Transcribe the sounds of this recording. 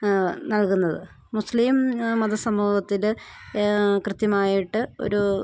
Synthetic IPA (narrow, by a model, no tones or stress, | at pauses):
nɐɭkunːɐðɨ | musliːmmɐðɐsɐmːuːhɐt̪ːil | krɨt̪jɐmaːjiʈːɨo̰ɾu